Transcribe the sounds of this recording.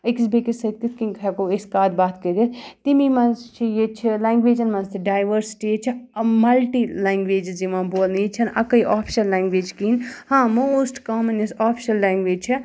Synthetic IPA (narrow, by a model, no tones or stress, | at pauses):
ikisbekisɐk̚t̪it̪kĩŋkʰɛkoːeskaːd̪baːt̪kəd̪it̪t̪imimɐnzt͡ʃʰijet͡ʃʰilãːŋɡʋeːd͡ʒɐnmɐnst̪ʰiɖaːjʋəɾsi̥ʈijet͡ʃʰimɐlʈilaːŋɡʋeːd͡ʒd͡ʒimãːboːlnit͡ʃʰɐnɐkɐjʔaːpʰʃɐlːaːŋɡʋeːd͡ʒkiːnhãːmosʈkaːmɐnesaːpʰʃɐlːaːŋɡʋeːd͡ʒt͡ʃʰi